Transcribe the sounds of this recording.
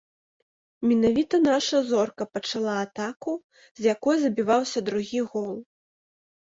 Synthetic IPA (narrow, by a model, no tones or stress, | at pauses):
mʲɛnavʲit̪ɐnaʂɐzɔrkɐpɐt͡ʂalˠaːt̪aku | zʲjakɔjzɐbʲivawsʲɐd̪ɾuɣʲiɣɔlˠ